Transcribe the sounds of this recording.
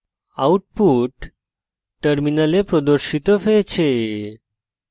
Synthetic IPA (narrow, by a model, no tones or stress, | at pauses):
auʈ̚puʈː | əɾminalepɾɔd̪əɾɕit̪ɔfet͡ɕʰe